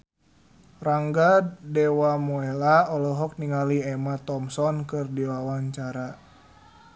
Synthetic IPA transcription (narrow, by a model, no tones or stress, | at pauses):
raŋɡadɛwamɔɛlaɔlɔɦɔk̚niŋaliɛmat̪ɔmsɔnkɨrdiwawaɲt͡ʃaɾa